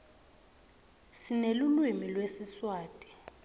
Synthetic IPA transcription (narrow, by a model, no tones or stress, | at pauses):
sinelulwimilwesiswaːtʼi̥